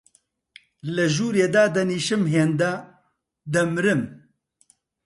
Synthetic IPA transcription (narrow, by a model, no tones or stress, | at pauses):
ləʒuːɾeːd̪aːd̪ɐniːʃɨmɦeːnd̪ɐ | d̪ɐmɨɾɨm